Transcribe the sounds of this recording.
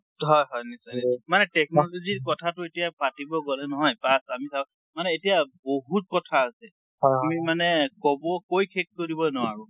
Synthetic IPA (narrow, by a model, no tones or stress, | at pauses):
ɦɔjɦɔjnisamanɛtɛk̚nɔloziɹkɔtʰatʊetijapatibɔɡɔlɛnɔɦɔjpasamisaw | manɛetijaboɦut̚kɔtʰaːsɛ | hɔamimanɛkɔbɔkojkʰek̚koɹibɔnɔwaɹʊ